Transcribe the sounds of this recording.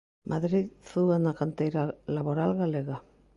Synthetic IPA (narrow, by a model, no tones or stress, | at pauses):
mʔaðɾiðθuɣanakant̪ejɾalaβoɾalɣaleɣa